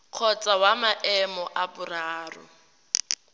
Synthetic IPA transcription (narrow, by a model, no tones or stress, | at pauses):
q͡χʰɔt͡sʼawamaʔɛmɔʔabʊraːrʊ̰